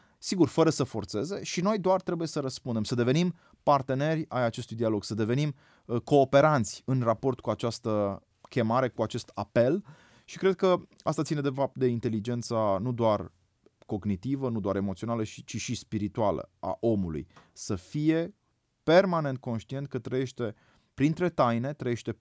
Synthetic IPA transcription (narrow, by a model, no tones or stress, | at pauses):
siɡurfəɾəsəfo̞rt̪se̞ze̞ʃino̞jd̪oart̪ɾe̞buje̞səɾəspund̪emsəd̪e̞ve̞nim | part̪e̞ne̞rʲajat͡ʃe̞st̪ujd̪ialoɡsəd̪e̞ve̞nim | ko̞ːpe̞ɾant̪sʲɨnrapo̞rt̪̚kuat͡ʃast̪ə | kʲe̞maɾe̞kuat͡ʃe̞st̪ape̞l | ʃikɾe̞d̪̚kəa̰st̪at̪sinee̞fap̚t̪̚d̪e̞int̪e̞lid͡ʒe̞nt̪sanud̪oar | ko̞ɡnit̪ivənud̪oaɾe̞mo̞t̪sio̞naləʃit͡ʃiʃispiɾit̪ualə̰a̰ʔo̞mulṵjsəfije̞ | pe̞rmane̞nt̪̚ko̞nʃt̪ie̞nt̪̚kət̪ɾəje̞ʃt̪e̞ | pɾint̪ɾe̞t̪ajne̞t̪ɾəje̞ʃt̪e̞